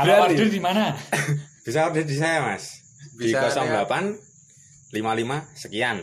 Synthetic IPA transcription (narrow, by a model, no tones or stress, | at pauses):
aaərdimana | b̥isaadədis̬ajamas | dikɔsɔŋbapan | limalimasəkian